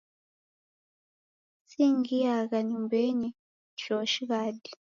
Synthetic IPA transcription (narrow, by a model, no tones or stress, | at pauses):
siːŋɡijaɣaɲimbeɲi | ʃoʃiɣadi